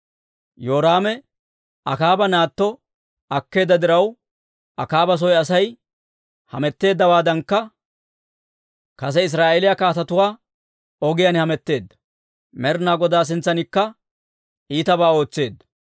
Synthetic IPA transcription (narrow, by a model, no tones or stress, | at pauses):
jo̞ːɾaːmɛ | ɐkaːbɐnaːt̪ːɔ | ɐkːe̞ːd̪ːɐd̪ɪɾɐw | ɐkaːbɐs̬ɔjɐsɐj | hɐ̰mɛt̪ːe̞ːd̪ːɐwaːd̪ɐŋkːɐ | kɐs̬ɛɪs̬ɾaːʔelɪjɐkaːt̪ɐt̪ʊwaː | ɔɡɪjanhɐmɛt̪ːe̞ːd̪ːɐ̥ | mɛɾnaːɡɔd̪aːs̬ɪnt͡sːɐnɪkːɐ | ʔiːt̪ɐbaːo̞ːt͡sːe̞ːd̪ːɐ̥